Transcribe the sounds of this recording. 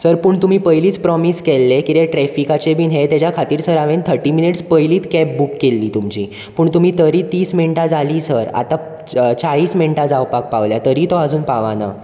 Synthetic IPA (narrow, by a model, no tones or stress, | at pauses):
səɾpuːɳt̪um̤iːpəjliːt͡spɾɔmiskelːekit̪eʈɾɛfikat͡ɕebiːnɦet̪jat͡ɕjakʰat̪iːɾsəɾaʋent̪ʰəɾʈːiːminiʈspəjliːt̪kɛpbukːelːiːt̪umt͡ɕḭ | pəːɳt̪um̤iːt̪ʰəɾiːt̪iːsmiɳʈad͡zaliːsəɾa̰t̪a | t͡saɭiːsmiɳʈad͡zawpak̚paʋljat̪əɾiːt̪ɔad͡zuːnpaʋana̰